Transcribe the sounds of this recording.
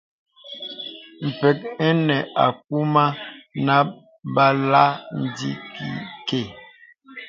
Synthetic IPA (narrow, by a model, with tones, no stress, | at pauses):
m̩˨pɛ˨k̚ɛ˦nɛ˨a̰˨k̚u˦ma˦na˦ | ba˦la˦n̩˨di˦ki˨ke˦˨